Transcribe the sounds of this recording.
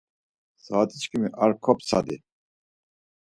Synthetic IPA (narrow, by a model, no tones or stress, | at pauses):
saːt̪ʼit͡ʃkimiʔaɾkʰɔpsa̰d̪i